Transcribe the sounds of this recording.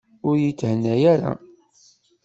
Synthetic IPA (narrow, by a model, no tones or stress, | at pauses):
ʊɾjit͡sːhənːæjæɾa̰